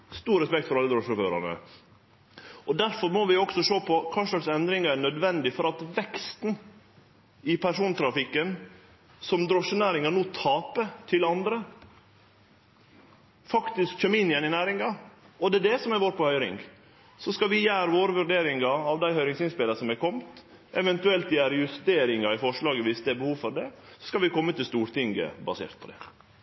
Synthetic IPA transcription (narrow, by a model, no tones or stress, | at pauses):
st̪uːɾɛspɛk̚t̪fɔɾɑlːəd̪ɾɔʂɔfø̰ːɾɑ̰nə̰ | ɔd̪æɾfɔɾmɔʋɪɔksɔʂoːpʰɔkʰɑːʂlɑksɛnd̪ɾɪŋɑæɳœd̪ʋɛnd̪ɪfɔɾɑt̪ʋɛkst̪n | ɪpʰæʂuːnt̪ʰɾɑfɪkːən | sɔmd̪ɾɔʂːənæːɾɪŋɑnuːt̪ʰɑːpət̪ʰɪlɑnd̪ɾə | fɑkt̪ɪskc͡çœmːəɪnːɪjɛnːɪnæːɾɪŋɑ | ɔd̪ɛːd̪ɛsɔmɛɾʋoːɾpʰɔhœʏɾɪ̰ŋɡ | sɔskɑʋɪjæːɾəʋoːɾəʋʉɾɖeːɾɪŋɑɑʋd̪æɪhœʏɾɪŋsɪnspɪləsɔmækʰɔmt̪ | ʔɛʋɛnt̪ʉɛlt̪jæːɾəjʉst̪eːɾɪŋɑɪfɔʂɭɑːɡəʋɪsd̪ɛæɾbəhuːʋfɔɾd̪ɛsɔ̥skɑlʋɪkʰɔmːət̪ɪlst̪uːɾt̪ʰɪŋɡə̰bɑsḛːɾt̪̚pʰɔd̪ɛ̰